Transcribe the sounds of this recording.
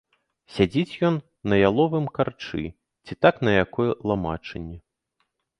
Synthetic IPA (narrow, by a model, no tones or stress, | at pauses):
sʲad͡zʲit͡sʲjɔnː | ɐjalˠɔvɨmkart͡ʂɨ̰ | t͡sʲit̪aknɐjakɔjɛlˠama̰t͡ʂɐnʲːɛ